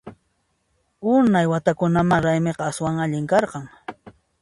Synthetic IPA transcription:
ʊnajwat̪akʊnamaɾajmeqɑaswaŋaʎɪŋkɑɾqɑŋ

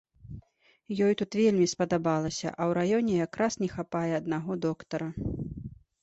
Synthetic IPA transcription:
jɔjt̪ut̪vʲelʲmʲispɐd̪abalˠɐsʲɐ̰ʔɐwɾajɔnʲɛjakɾasnʲɛxapajɛɐd̪naɣɔd̪ɔkt̪ɐɾɐ

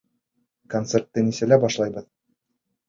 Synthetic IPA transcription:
kont̪sert̪ːɘnisælæbɒʃlˠɑjbɤð

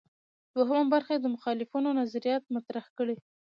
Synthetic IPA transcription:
d̪̥waɦəmambaɾxed̪əmʊxɑlɪfunonazaɾijɑt̪̚mat̪ɾahkəɽe

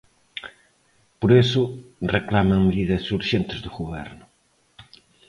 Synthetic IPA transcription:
poɾesʊreklamɐŋmeðiðɐsuɾʒẽnt̪ɪzðʊɣuβɛ̰ɾnʊ

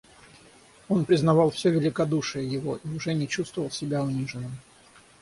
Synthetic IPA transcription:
o̞npɾʲɪznɐvɑlˠfsʲɵvʲɪlʲɪkɐd̪uʂɨjəjɪvo̞ʔiʊʐɛnʲɪt͡ɕust̪vəvəlˠsʲɪbʲaʊnʲiʐɨnːɨm

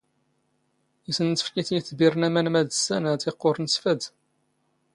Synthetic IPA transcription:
isənt͡s̪ə̥fkiθiθbərnæmænmæðəsænt̪iqːoɾˤnsfæd̪

